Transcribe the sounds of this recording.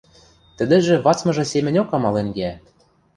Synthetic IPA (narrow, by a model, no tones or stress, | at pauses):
t̪ə̆d̪ɘ̆ʒĕβɑt͡smɤ̆ʒɤ̆semʲɘ̆nʲokɑmɑlenɡæ